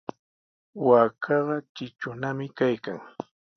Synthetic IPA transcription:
waːkʰɑɢɑt͡ʃɪt͡ʃʊnamɪkajkaŋ

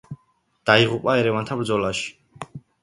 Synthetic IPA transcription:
d̪̥aiʁupʼaɛɾɛvant̪ʰabɾd̪zɔlaʃi̥

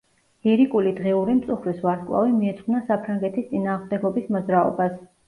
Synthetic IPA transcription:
iɾikʼulid̪ʁɛuɾimt̪sʼuχɾisvaɾt̪kʼlˠa̰vimiɛt̪ʰχunasapʰɾaŋɡɛt̪ʰist̪ʼinaːʁmd̪ɛɡɔbismɔzɾaɔ̰bas

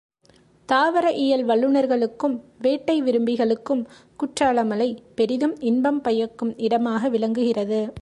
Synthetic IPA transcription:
t̪aːʋɐɾɐʔɪjɐlʋɐɭːɯnɐɾɣɐɭɯkːɯmʋeːʈːɐɪʋɪɾɯmbɪɣɐɭɯkːɯm | kʊʈraːlɐmɐlɐɪpɛɾɪðɯmɪnbɐmpɐjɐkːɯmɪɽɐmaːɣɐʋɪlɐŋɡɯɣɪrɐðɯ

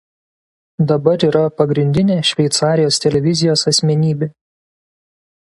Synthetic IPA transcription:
d̪ɐbɐɾiːɾɐpɐɡɾʲɪnʲd̪ʲɪnʲeːʃʲʋʲɛɪt̪sɑːɾʲɪjoːst̪ʲɛlʲɛʋʲɪzʲɪjoːsɐsʲmʲɛnʲiːbʲeː

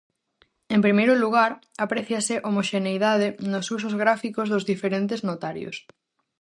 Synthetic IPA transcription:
empɾimejɾʊluɣ̞aɾ | apɾeθjasɪʔomoʃenejðað̞enʊsus̬ʊzɣɾafikozðʊzðifeɾent̪eznot̪aɾjo̰s

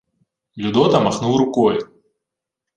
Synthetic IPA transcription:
lʲud̪ɔt̪ɐmaxnuwɾʊkɔjʊ

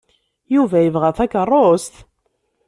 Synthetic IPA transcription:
juvæjəvʁæθækərˤːost̪

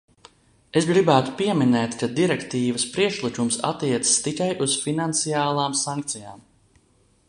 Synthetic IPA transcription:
esɡɾibæːt̪u̥piɛminɛːt̪kad̪iɾɛkt̪iːvɐspɾiɛkʃlˠikʲumsa̰t̪ːiɛt̪sə̥st̪ikajʔuz̥finant̪sijaːlˠaːmsaŋk̚t̪sija̰ːm

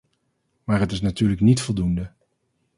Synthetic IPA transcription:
maːɹɦətɪs̬natyːɹləknitfɔlˠdundə

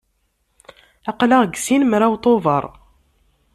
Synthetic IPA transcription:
ɑqlaʁɡsinmɾawt̪ˤovɑɾˤ

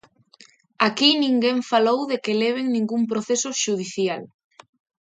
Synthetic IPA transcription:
akinĩŋɡeɱfalowðekeleβ̞eŋnĩŋɡumpɾoθesʊʃuð̞iθjal

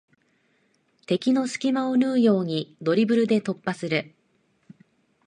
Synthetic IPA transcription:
t̪e̞kʲino̞sɨ̥kʲimao̞nɯːjo̞ːɲ̟id̪o̞ɾʲibɯ̟ɾɯ̟d̪e̞t̪o̞pːasɨɾɯ̟

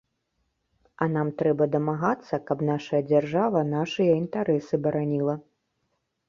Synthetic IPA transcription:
ɐnamt̪ɾɛbɐd̪ɐmaɣat̪sːɐkɐpnaʂɐjɐd͡zʲarʐavɐnaʂɨjɐint̪aɾɛsɨbɐɾanʲilˠɐ

